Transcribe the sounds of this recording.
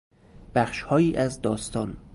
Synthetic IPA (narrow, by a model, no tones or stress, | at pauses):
b̥æχʃhɒːjiːʔæzd̪ɒːst̪ɒːn